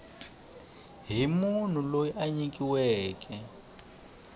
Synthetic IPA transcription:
ɦimun̤ulojiʔaɲik̬iwɛːk̬ɛ

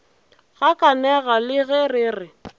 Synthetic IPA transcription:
ɣakʼanɛɣalɪɣɛrɪːrɪ

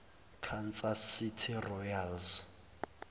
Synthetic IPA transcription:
kʰant͡sasitʰirɔjals

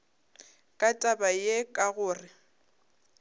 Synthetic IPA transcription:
kʼatʼabajekʼaɣʊːrɪ

